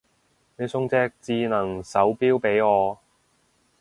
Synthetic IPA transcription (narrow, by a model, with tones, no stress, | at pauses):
ne˨˧jsʊ˥ŋt͡sɛː˥k̚t͡siː˧nɐ˨˩ŋsɐ˨˥wpiː˥wpe˨˥jɔː˨˧